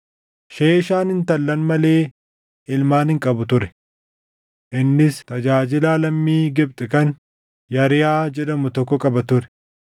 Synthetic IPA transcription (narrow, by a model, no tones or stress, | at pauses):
ʃeːʃaːnhɪnt̪ɐlːɐnmɐle̞ː | ɪlmaːnhɪŋkʼɐbʊt̪ʊɾɛ̥ | ʔɪnːɪst̪ɐd͡ʒaːd͡ʒɪlaːlɐmːiːɡɪb̚t̪ʼɪkɐn | jɐɾɪjaːd͡ʒɛᶑɐmʊt̪ɔkːɔkʼɐbɐt̪ʊɾɛ̥